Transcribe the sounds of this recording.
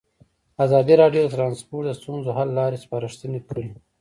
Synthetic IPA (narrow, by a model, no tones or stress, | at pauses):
azɑd̪iɾɑɖjod̪ət̪ɾɑnspoʈd̪əst̪unzoɦalːɑɾespɑɾəʂt̪ənekʰəɾi